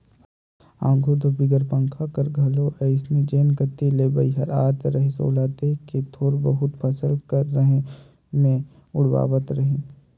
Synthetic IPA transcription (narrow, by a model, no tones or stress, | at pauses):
ã̰ːɡʱod̪obɪɡəɾpə̃ŋkʰakɐɾɡʱɐloʔɛɪsnẽd͡ʒeːnkət̪ːeleːbəiɦɐɾa̰ːt̪ɾɐɦeso̰ːlaːt̪eket̪ʰoːɾbəɦʊt̪pʰɐsəlkəɾːəɦẽ | mẽ | ʊɽʋa̰ːʋət̪ɾɐɦẽː